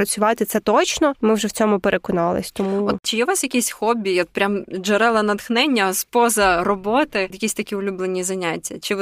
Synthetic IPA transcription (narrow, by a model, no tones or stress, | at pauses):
ɾɐt͡sʲʊʋɑt̪ɪt̪sɛt̪ɔt͡ʃnɔmɪwʒɛwt͡sʲɔmʊpeɾʔekɔnɑlˠɪ̰sʲt̪ɔmuɔt͡ʃɪjɛʋɑsjɐkʲisʲxɔbʲːijɔt̪̚pɾʲamʒɐɾɛlˠɐnɐt̪xnɛnʲːɐspɔzɐrɔbɔt̪ɪjɐkʲisʲt̪ɐkʲiʊlʲublˠenʲizɐnʲatʲːɐt͡ʃɪ